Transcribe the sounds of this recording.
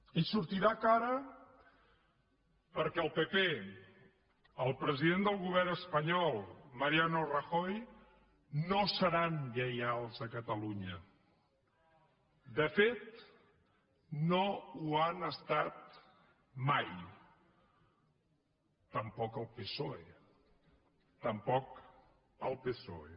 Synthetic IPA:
isuɾt̪iɾakaɾə | pəɾkɛəlˠpepe | əlˠpɾəziðend̪əlˠɣuβ̞ɛrnəspəɲɔlˠməɾianorəxoj | nosəɾanʎəjalˠzəkət̪əluɲə | d̪əfet̪̚ | nouanəst̪at̪̚ | maj | t̪əmpɔkəlˠpesoe | t̪əmpɔk | əlˠpeso̰e

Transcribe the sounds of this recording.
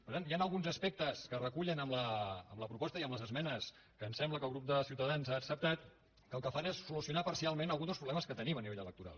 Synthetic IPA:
pəɾt̪anjanəlˠɣunzəspɛk̚t̪əskərəkuʎənəmləːmləpɾupɔst̪əiəmləzəzmɛnəs | kəːnsɛmbləkəlˠɣɾup̚d̪əsiwt̪əðanzaːksəp̚t̪at̪ | kəlˠkəfanesːulusiunapəɾsialˠmẽnəlˠɣund̪əspɾuβlɛməskət̪əniməniβeʎələkt̪uɾa̰lˠ

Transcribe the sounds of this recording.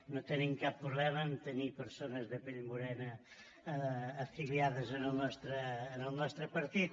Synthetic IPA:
nõt̪ɛnẽŋkappːɾuβlɛmɐnt̪enipeɾsonɐzðepelmbuɾɛnɐ | filjaðɐzɐnɐnɔst̪ɾɐːnɐwnɔst̪ɾɐpɐɾt̪it

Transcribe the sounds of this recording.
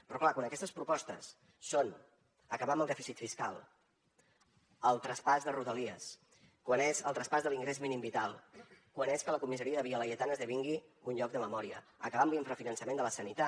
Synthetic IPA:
pɾɔklakwanəkɛst̪əspɾupɔst̪əsː | on | əkəβaməlˠd̪ɛfisit̪fiskalˠ | əlˠt̪ɾəspazðəruðəliəs | kwanezəlˠt̪ɾəspazðəliŋɡɾezminimbit̪alˠkwaneskələkumisəɾiəðəβiələjət̪anəzðəβ̞iŋɡiunʎɔk̚d̪əməmɔɾiə̰əkəβamliɱfɾəfinənsəmend̪ələsənit̪a

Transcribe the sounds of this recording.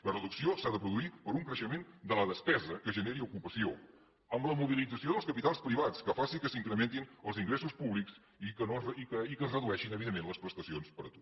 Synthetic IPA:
lərəðuksiosaðəpɾuðuipəɾuŋkɾəʃəmend̪ələðəspɛzəkəʒəneɾiukupəsio | əmləmuβ̞ilid͡zəsioðəlˠskəpit̪alˠspɾiβat͡skəfasikəsiŋkɾəment̪inəlˠziŋɡɾesuspuβlikz | ikənoikəikəzrəðuɛʃinəβiðemːenləspɾəst̪əsionspəɾət̪o

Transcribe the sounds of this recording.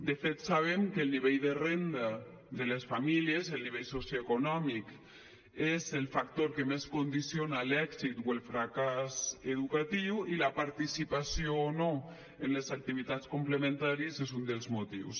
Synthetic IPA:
d̪əfet̪saβ̞emkəlˠniβejðərend̪a | ðəlesfamiliezəlniβejsosjoekunɔmik | ezelˠfak̚t̪oɾkəmeskund̪isionalɛkzit̪welˠfɾakazeðukat̪iwilapaɾt̪isipasioːno | enlezak̚t̪iβ̞it̪at̪t͡skumpləmẽnt̪aɾiəzezund̪əlˠzmut̪ḭws

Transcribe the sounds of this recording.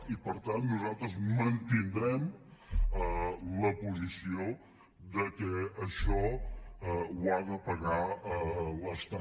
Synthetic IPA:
ipəɾt̪anːuzalˠt̪ɾəzmənt̪ind̪ɾɛm | ələpuzisio | ðəkɛəʃɔəwaðəpəɣaələst̪a

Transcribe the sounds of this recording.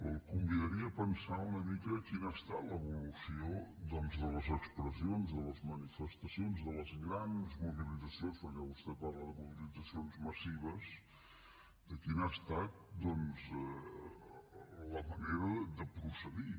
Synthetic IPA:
əlˠkumbiðəɾiəpənsaunəmikəkinast̪at̪ləβulusiod̪ɔnzðələzəkspɾəsionzðələzmənifəst̪əsionzðələzŋɾanzmuβilizəsionspəɾkɛβust̪ɛt̪̚parləðəmuβilid͡zəsionzməsiβ̞əz | d̪əkinast̪at̪̚d̪ɔnzɛ | ləməneɾəd̪əpɾusəði

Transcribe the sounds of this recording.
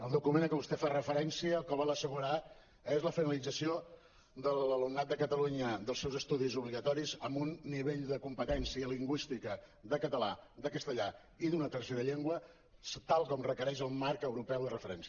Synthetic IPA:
əlˠd̪ukumenkəβust̪efarəfəɾɛnsiəːlˠkəβɔlˠəsəɣ̞uɾa | ezləfinəlid͡zəsio | d̪əlləlumnat̪̚d̪əkət̪əluɲəd̪əlˠsewzəst̪uðizuβliɣət̪ɔɾizəmbunːiβeʎd̪əkumpət̪ɛnsiəliŋɡwist̪ikə | ðəkət̪əlad̪əkəst̪əʎa | iðunət̪ərseɾəʎeŋɡwə | st̪alˠkɔmrəkəɾɛʃ̬əlˠmaɾkəwɾupɛwðərəfəɾɛns

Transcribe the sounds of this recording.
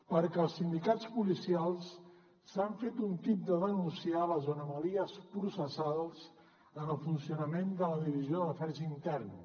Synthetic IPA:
pəɾkɛəlˠsind̪ikat͡spulisialˠs | saɱfet̪unt̪ip̚d̪əðənunsialəzonəməðiəspɾusəsalˠs | ənəlˠfunsiunəmend̪ələðiβ̞izioðələfɛɾʒəint̪ɛrn

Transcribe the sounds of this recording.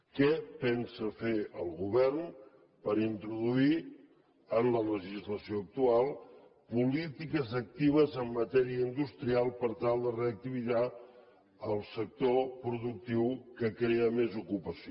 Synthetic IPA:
kɛpɛnsəfeəlˠɣuβɛrn | pəɾint̪ɾuðui | ənlələʒizləsioək̚t̪ualˠ | pulit̪ikəzək̚t̪iβ̞əzəmːət̪ɛɾiəind̪ust̪ɾialˠpəɾt̪alˠd̪əreək̚t̪iβia | əlˠsək̚t̪opɾuðuk̚t̪iwkəkɾeəmezukupəsi

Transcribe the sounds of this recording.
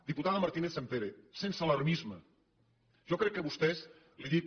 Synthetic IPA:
d̪iput̪aðəmaɾt̪ineθsempeɾesensaləɾmizmə | ʒ̥ɔkɾɛkːəβust̪ɛz | liði

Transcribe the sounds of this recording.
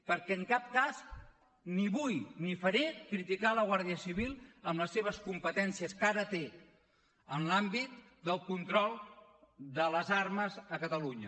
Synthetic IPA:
pəɾkɛəŋkap̚kaz | niβujnifəɾekɾit̪ikaləɣ̞waɾð̞iəsiβ̞ilˠəmləsːeβ̞əskumpət̪ɛnsiəskaɾət̪e | ənlambit̪̚ | d̪əlˠkunt̪ɾɔlˠ | d̪ələzaɾməzəkət̪əluɲə

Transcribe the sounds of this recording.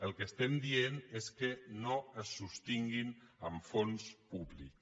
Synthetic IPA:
əlˠkəst̪ɛmd̪ieneskənoəsːust̪iŋɡinəɱfonspuβlḭk

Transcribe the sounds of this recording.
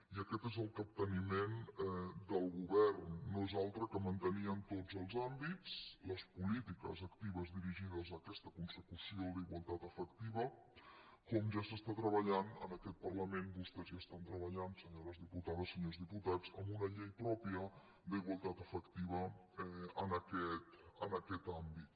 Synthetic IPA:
iəkɛt̪ezəlˠkəp̚t̪ənimenɛd̪əlˠɣuβɛrnːoezalˠt̪ɾəkəmənt̪əniəmt̪od͡zəlˠzambit͡sləspulit̪ikə̰zəkt̪iβəzðiɾiʒiðəzəːkɛst̪əkunsəkusioliɣwəlˠt̪at̪əfəkt̪iβə | kɔmʒasəst̪at̪ɾəβəʎanə̰nəkɛt̪̚pərləmenbust̪ɛzʒast̪ant̪ɾəβəʎansəɲoɾəzðiput̪aðəsːəɲozðiput̪ad͡zəmbunəʎejpɾɔpiə | d̪əiɣwəlˠt̪at̪əfəkt̪iβ̞ə | ɛənəkɛt̪ənəkɛt̪ambit̪̚

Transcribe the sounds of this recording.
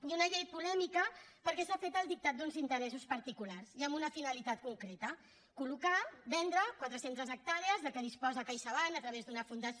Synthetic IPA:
junəʎejpulɛmikəpəɾkɛsafet̪əlˠd̪ik̚t̪at̪̚d̪unzint̪əɾɛsuspəɾt̪ikulaɾziəmbunəfinəlit̪at̪kuŋkɾet̪ə | kulukabɛnd̪ɾəkwat̪ɾəsent̪əzək̚t̪aɾeəzðəkəðispɔzakajʃaβanət̪ɾəβezd̪unəfund̪əs

